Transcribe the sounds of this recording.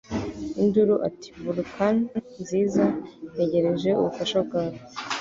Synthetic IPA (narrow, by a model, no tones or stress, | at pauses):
induɾuʔa̰ti̥buɾkʰannziːzaeɟe̞ɾe̞ʒe̞ṵβufaʃab̚ɡaːβo